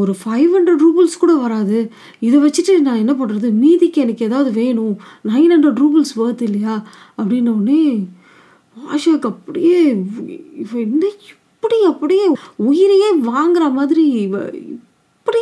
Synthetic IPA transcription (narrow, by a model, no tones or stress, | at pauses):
ɔɾɯfɐɪʋhɐnɖɾɐɖɾuːbɐlskuːɽɐʋɐɾaːðɯ | ɪðɐʋɐt͡ʃːɯʈːɯnãːɛnːɐp̬ɐɳːɯɾɐðɯmiːðɪkːɯɛnɐkːɯɛðaːʋɐðɯʋeːɳʊ̃nɐɪnɐɳɖɾɐɖɾuːbɐlsʋɐːt̪ːɪlːɐjaː | ɐpːɐɽɪnːɐːnːɯ | aːʂaːkːɐpːɐɽɪjeː | ɪpːɪnd̪ɐɪ | pːɐɽiɐpːɐɽɪjeːʊjɪɾɐjeːʋaːŋɡɪɾɐmaːðɪɾḭɪ̰ | pːɐɽi